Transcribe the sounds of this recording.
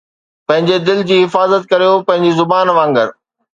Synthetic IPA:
pɐ̃ɦɪ̃ɲd͡ʑed̪ɪld͡ʑiːɦɪfaːzət̪̚kɐɾijopɐ̃ɦɪ̃ɲd͡ʑizʊbaːnʋãːŋɡəɾ

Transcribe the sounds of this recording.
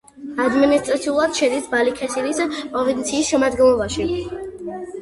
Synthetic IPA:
ad̪minist̪ʼɾat̪sʰiulˠad̪̥ʃɛd̪isbalikʰɛsiɾispʼɾɔvint̪sʰiːsʃɛmad̪ɡɛnlˠɔbaʃi

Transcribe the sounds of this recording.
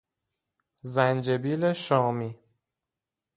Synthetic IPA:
zænd͡ʒebiːleʃɒːmi

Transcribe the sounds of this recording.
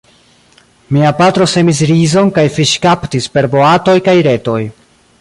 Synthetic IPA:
miapatɾo̞se̞mis̬ɾizo̞nkajfiʃkaptispe̞ɾbo̞ato̞jkajɾe̞to̞j

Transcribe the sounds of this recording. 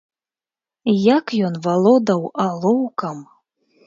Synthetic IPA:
jakjɔnvalˠɔd̪ɐwalˠɔwkɐm

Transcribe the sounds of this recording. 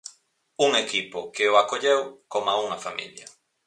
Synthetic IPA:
uŋekipʊkɪoakoʎewkomauŋɐfamḭljɐ

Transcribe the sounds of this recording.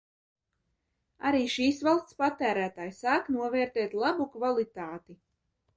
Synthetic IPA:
a̰ɾiːʃiːsvalˠst̪spat̪æːɾæːt̪aːjsaːknuɔvɛːɾt̪ɛːt̪lˠabukvalˠit̪aːt̪i

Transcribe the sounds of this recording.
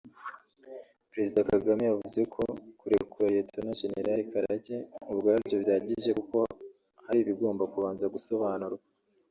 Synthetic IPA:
pɾe̞zidakaɡamijavuzekʰo̞kuɾe̞kuɾajetʰonaʒenḛɾaɾikaɾaɟeubɡaːɾbɟo̞βjaːɟiʒe̞kuko̞ | haɾiβiɡo̞ːmbakuβaːnzaɡuso̞βaːnuɾɡa

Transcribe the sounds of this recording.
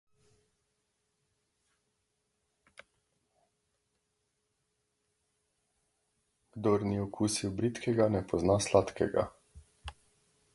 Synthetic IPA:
ɡ̥d̪ɔɾniɔkʰusiwbɾit̪kʰɛɡanɛpɔznaslat̪kɛɡa̰

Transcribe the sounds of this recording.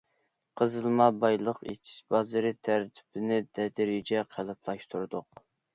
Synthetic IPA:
qʰəzɨlˠmɑbɑjlˠəqḭt͡ʃʰi̥ʃbɑzɨɾɪt̪ʰæɾt̪ʰɪ̥bɪnɪd̪ɛd̪ɪɾɪd͡ʒɛqʰælˠɨpʰlˠɑʃt̪ʰuɾd̪ʊq

